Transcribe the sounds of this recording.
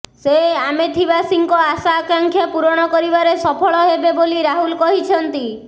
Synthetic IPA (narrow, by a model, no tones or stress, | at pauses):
seamet̪ʰibasiŋkɔasaːkaŋkʰjapuɾɔɽ̃ɔkɔɾibaɾesɔpʰɔɭɔɦebeboliɾaɦulkɔɦit͡ʃʰɔnt̪i